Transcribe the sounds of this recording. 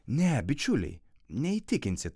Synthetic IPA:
nʲɛbʲɪt͡ʃʲʊlʲɛ̰ɪ | nʲɛit̪ʲɪkʲɪnʲsʲɪt̪

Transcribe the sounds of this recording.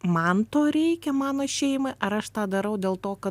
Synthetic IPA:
mɐnt̪oːɾʲɛɪkʲɛmɑːnoːʃʲɛɪmɐʔɐɾɐʃt̪ɑːd̪ɐɾɐʊd̪ʲeːlˠt̪oːkɐ

